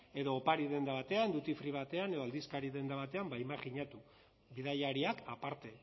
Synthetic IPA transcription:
e̞ðo̞ːpaɾiðe̞nd̪aβat̪e̞and̪ut̪ifɾiβ̞at̪e̞ane̞ð̞oald̪iskaɾiðe̞nd̪aβat̪e̞ambajmaʝiɲat̪u | βiðajaɾiakapaɾt̪e̞

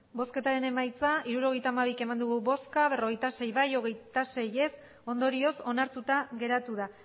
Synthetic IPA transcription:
bo̞ske̞t̪aɾe̞ne̞majt͡saiɾuɾo̞ɣ̞e̞jt̪aːmaβ̞ike̞mand̪uɣuβo̞skaβe̞ro̞ɣ̞e̞jt̪ase̞jβajo̞ɣ̞e̞jt̪ase̞je̞s | o̞nd̪o̞ɾio̞so̞naɾt̪ut̪aɣe̞ɾat̪uð̞a

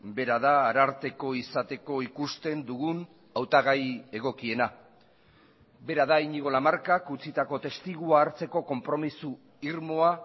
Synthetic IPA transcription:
be̞ɾað̞aːɾaɾt̪e̞ko̞isat̪e̞ko̞ikust̪e̞nd̪uɣun | awt̪aɣaje̞ɣ̞o̞kie̞na | be̞ɾað̞aiɲiɣ̞o̞lamaɾkakut͡sit̪ako̞t̪e̞st̪iɣ̞uaːɾt͡se̞ko̞ko̞mpɾo̞misu | iɾmo̞a

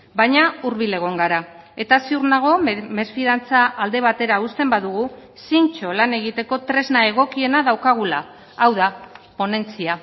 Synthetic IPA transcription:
bajɲauɾβile̞ɣ̞o̞ŋɡaɾa | e̞t̪asiurnaɣ̞o̞me̞sfiðant͡saʔːld̪e̞β̞at̪e̞ɾaust̪e̞mbaðuɣ̞usint͡ʃo̞lane̞ɣ̞it̪e̞ko̞t̪ɾe̞znae̞ɣ̞o̞kie̞naðawkaɣ̞ulaː | wðapo̞ne̞nt͡sia

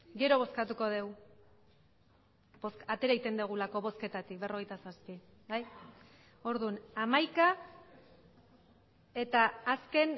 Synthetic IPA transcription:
ɡe̞ɾo̞β̞o̞skat̪uko̞ðe̞w | bo̞skat̪e̞ɾait̪e̞nd̪eɣ̞ulako̞βo̞ske̞t̪at̪ik̚be̞ro̞ɣ̞ejt̪asaspi | baj | o̞ɾðunamajka | e̞t̪aːske̞n

